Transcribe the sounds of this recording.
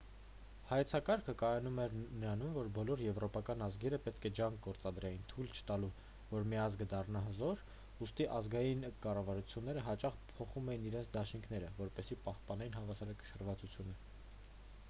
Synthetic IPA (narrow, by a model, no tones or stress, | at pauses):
hɑjɛt͡sʰɑkɑɾkʰəkɑjɑnumɛɾnəɾɑnumvɔɾbɔlɔɾjɛvɾɔpɑkɑnɑzɡɛɾəpɛt̪kʰɛd͡ʒɑŋk̚ʰɡɔɾt͡sɑd̪ɾɛjint̪ʰult͡ʃʰə̥t̪ɑlu | vɔɾmiɑzɡəd̪ɑrnɑɦəzɔɾ | ust̪iʔɑzɡɑjinkɑrɑvɑɾut͡sʰjun̪ːɛɾəɦɑt͡ʃɑχpʰɔχumɛjiniɾɛnt͡sʰd̪ɑʃiŋkʰn̪ɛɾəvɔɾpɛsipɑhpɑnɛinɦɑvɑsɑɾɑkə̥ʃəɾvɑt͡sut͡sʰjunə